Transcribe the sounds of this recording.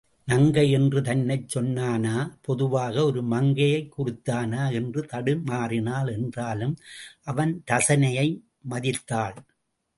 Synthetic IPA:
nɐŋɡɐjɛndrɯt̪ɐnːɐɪt͡ʃːɔnːaːnaːpɔðɯʋaːɣɐɔɾɯmɐŋɡɐjɐɪkːʊrʊt̪ːaːnaːɛndrɯt̪ɐɽɯmaːrɪnaːlɛndraːlɯmʔɐʋɐnt̪ɐsɐnɐjɐɪ | mɐðɪt̪ːaːɭ

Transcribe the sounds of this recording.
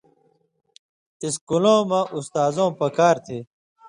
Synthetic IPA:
iskulõːmãʔust̪aːzõːpɐkaːɾt̪ʰeː

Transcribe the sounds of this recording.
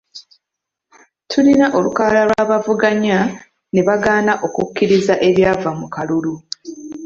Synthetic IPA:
tʰulinaʔo̞lukaːlalwaːβavuɡaɲa | ne̞βaɡaːnaʔo̞kukːiɾizaʔe̞βjaːvamukalulu

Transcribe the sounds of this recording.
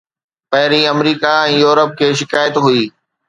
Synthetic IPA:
pɐɦɪɾiɐmɾiːkaɛ̃ːjuːɾəp̚kʰeːʃɪkaːjət̪ɦʊiː

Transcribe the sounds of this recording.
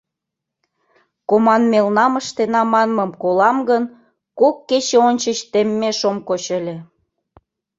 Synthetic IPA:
komɑnmelnɑməʃt̪enɑmɑnməmkolɑmɡən | kokːet͡ɕeonʲt͡ɕət͡ɕt̪emːeʃomkot͡ɕĕlʲĕ

